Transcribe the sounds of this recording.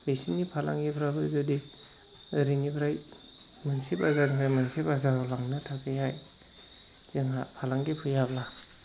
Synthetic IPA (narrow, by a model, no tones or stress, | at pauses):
bisinipʰala̰ŋɡipʰɾabɯzodi | ɾiŋipʰɾaj | mɯnsipazanipʰajmansipazaɾɔlaŋnɯtʰakʰɯjaj | z̥iŋɦapʰalaŋɡipʰujabla